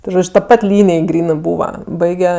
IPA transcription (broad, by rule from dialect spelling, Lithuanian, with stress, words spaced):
tʲɪ ˈʒoːt͡ʃʲ tɐ ˈpɐt ˈlʲiːnʲɪj ˈɡrʲiːnɜ ˈbuːʋɐ ˈbɐɪɡʲɛ